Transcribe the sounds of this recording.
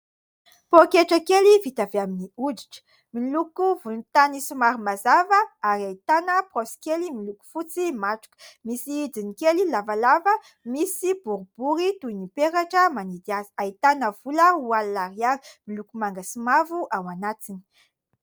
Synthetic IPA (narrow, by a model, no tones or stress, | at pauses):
pokeʈ͡ʂəkelivit̪aveaminiudi̥ʈ͡ʂə̥ | milukuvulunt̪anisumaɾimazavəaɾiait̪anəprɔsi̥kʲelimiluku̥fut͡simaʈ͡ʂu̥kə̥misiid͡zinikelilavalavə | misibuɾub̥uɾit̪uinipeɾaʈ͡ʂəmanid̪iazə̥ait̪anəv̥uləuallaɾiaɾimilukumaŋɡəsumavuʔawanat̪ini̥